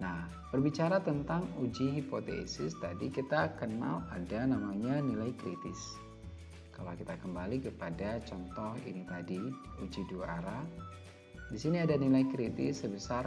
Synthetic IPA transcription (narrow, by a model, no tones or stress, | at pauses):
nah | b̥ərbit͡ʃaɾat̪ənt̪aŋud͡ʒiɦipot̪ḛsɪst̪adikit̪akəna̰ladanamaɲanilajkɾit̪ɪs | ka̰lawkit̪akəmbalikəpadat͡ʃɔnt̪ɔhḭnit̪adi | ud͡ʒidua̰ɾa | disiniadanilajkɾit̪ɪ̰sːəbəsar